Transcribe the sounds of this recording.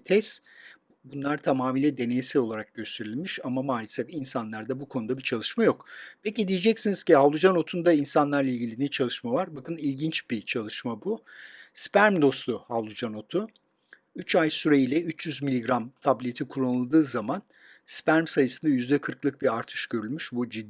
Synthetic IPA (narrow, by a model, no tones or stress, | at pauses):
t̪ʰɛs | bunlˠaɾt̪ʰamaːmiːlʲɛd̪e̞ne̞jisɛlo̞lˠaɾak̚ɟø̞st̪ʰe̞ɾilʲmiʃamamaːlʲɛsɛfinsanlˠaɾd̪abukʰo̞nud̪abit͡ʃʰalˠɯʃmajo̞kpʰecid̪ijed͡ʒɛcsiniz̥ciɦavlˠud͡ʒano̞t̪ʰund̪ainsanlˠaɾlˠailʲɟilʲinɛt͡ʃʰalˠɯʃmavaɾbakɯnilʲɟint͡ʃbit͡ʃʰalˠɯʃmabuspæɾmd̪o̞slˠuhavlˠud͡ʒano̞t̪ʰu | yt͡ʃajsyɾejilʲɛyt͡ʃjyzmilʲːiɡɾamt̪ʰablʲijet̪ʰikʰulˠanɯlˠd̪ɯːzaman | spæɾmsajɯsɯnd̪ajyzd̪ɛkʰɯɾklˠɯk̚biaɾt̪ʰɯ̥ʃɟ̥ø̞ɾylʲmyʃbud͡ʒid̪